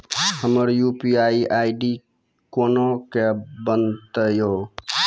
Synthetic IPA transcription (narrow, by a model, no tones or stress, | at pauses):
həməɾjupiaiʔaiɖi | konokebənt̪əjo